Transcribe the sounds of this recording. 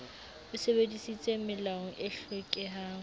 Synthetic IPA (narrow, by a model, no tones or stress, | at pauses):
ʊsebedisit͡sʼemɪlaŋ̩ʔeɬekʼɪɦaːŋ